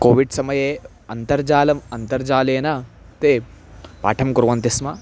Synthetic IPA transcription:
koːʋiɖsɐmɐjeː | ɐnt̪ɐɾd͡ʒaːlɐmɐnt̪ɐɾd͡ʒaːleːnɐ | t̪eːpa̰ːʈʰɐmkuɾʋɐnt̪ismɐ

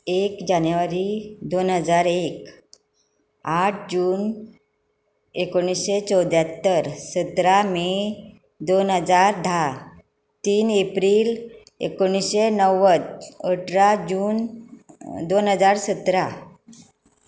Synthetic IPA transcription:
ekd͡ʑanjuʋaɾid̪onɦəd͡zaɾek | aʈ̚ʰd͡ʑuːn | ekoɽ̃isɕet͡sɔwd̪ʱjat̪ːəɾsət̪ɾame | d̪onɦəd͡zaɾɖʱa | t̪iːnepɾiːl | ḛkoɳ̃isɕenəwət͡səʈʰɾad͡ʑuːn | d̪onɦəd͡zaɾsət̪ɾa

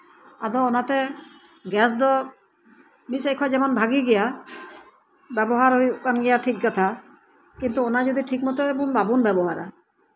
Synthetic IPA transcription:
ad̪ɔonat̪ɛ | ɡɛs̬d̪ɔ | misejkʰɔad͡ʒɛmɔnbʱaɡiɡɛja | bɛbɔɦaɾɦojkanɡɛjaʈʰik̚ɡat̪ʰa | kint̪uonad͡ʒod̪iʈʰikmɔt̪ɔɛbunbabunbɛbɔɦaɾa̰

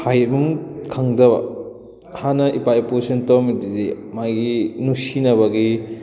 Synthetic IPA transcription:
hajɐbumkʰaŋdɐbɐ̰ | hanɐʔipaiposɐntowmididemaɡinusinɐβɐɡi

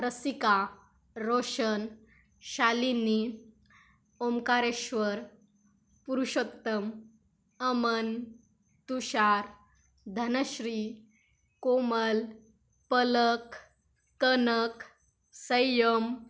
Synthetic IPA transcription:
ɾəsika | ɾoʂən | ɕalini | omkaɾeɕʋəɾ | puɾuɕot̪ːəm | əmən | t̪uɕaɾ | d̪ʱənəɕɾi | koməl | pələkː | ənək | səjəm

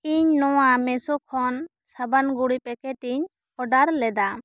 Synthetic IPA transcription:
iɲnɔwamɛsɔkʰɔn | səbanɡuɽipɛkɛt̪iɲ | ɔɖaɾlɛd̪a

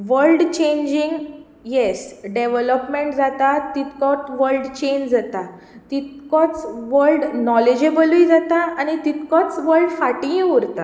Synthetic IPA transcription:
ʋəlɖt͡ɕẽɲd͡ʑiŋɡ | jesɖeʋələpmeɳʈd͡zat̪at̪ːit̪kɔt̪ʋəɾɖt͡ɕend͡zat̪a | t̪it̪̚kɔt͡sʋəɾlɖnɔled͡ʑebəluid͡zat̪aañit̪it̪kɔt͡sʋəɾɖfaʈĩuɾt̪a

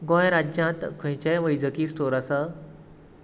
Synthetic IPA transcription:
ɡɔ̃jɾad͡ʑjãt̪kʰə̃jt͡ɕajʋəjd͡zəkiːsʈoɾasə

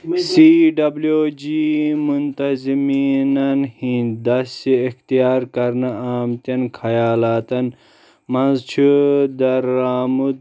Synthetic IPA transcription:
siɖɐbljod͡ʒimunt̪ɐziminɐnhĩnd̪ɐsiixt̪ijaːɾkɐɾnɐaːmt̪ɐnkʰɐjaːlaːt̪ɐn | mɐnzt͡ʃʰud̪ɐɾːaːmud̪̚

